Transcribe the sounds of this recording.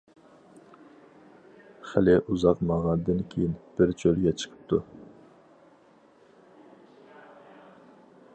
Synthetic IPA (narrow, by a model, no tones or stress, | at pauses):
χælɪʔuzɑqmɑʁɑnd̪ɨnkʲʰejinb̥ɪɾt͡ʃʰølɡʲɛt͡ʃʰə̥qʰə̥p̚t̪ʰu